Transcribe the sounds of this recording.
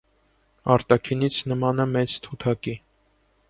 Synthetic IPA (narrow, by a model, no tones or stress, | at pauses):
ɑɾt̪ɑkʰinit͡sʰnəmɑnəmɛt͡st̪ʰut̪ʰɑki